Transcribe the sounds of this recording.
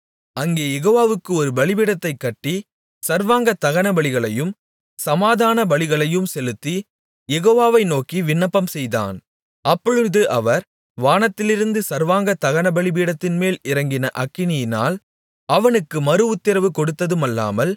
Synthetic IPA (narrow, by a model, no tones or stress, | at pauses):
ɐŋɡeːjɛɣoːʋaːʋɯkːɯɔɾɯbɐɭɪbiːɽɐt̪ːɐɪkːɐʈːi | sɐɾʋaːŋɡɐt̪ːɐɣɐnɐbɐɭɪɣɐɭɐjɯm | sɐmaːðaːnɐbɐɭɪɣɐɭɐjɯmsɛlɯt̪ːi | jɛɣoːʋaːʋɐɪnoːkiʋɪnːɐpːɐmsɛjða̰ːn | ɐpːɔɻɯðɯʔɐʋɐɾ | ʋaːnɐt̪ːɪlɪɾɯnd̪ɯsɐɾʋaːŋɡɐt̪ːɐɣɐnɐbɐɭɪbiːɽɐt̪ːɪnmeːlɪɾɐŋɡɪnɐʔɐkːɪnɪjɪna̰ːl | ɐʋɐnɯkːɯmɐɾɯʊt̪ːɪɾɐʋɯkɔɽɯt̪ːɐðɯmɐlːa̰ːmɐl